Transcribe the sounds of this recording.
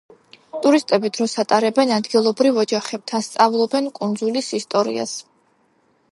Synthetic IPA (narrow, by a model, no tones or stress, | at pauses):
t̪ʼuɾist̪ʼɛbid̪ɾɔsat̪ʼaɾɛbɛnad̪ɡilˠɔbɾivɔd͡ʒaχɛb̥̚t̪ʰanst̪sʼavlˠɔbɛnkʼund̪zulisist̪ʼɔɾḭa̰s